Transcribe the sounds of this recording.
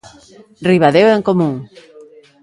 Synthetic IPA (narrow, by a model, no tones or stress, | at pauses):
riβaðeweŋkomũŋ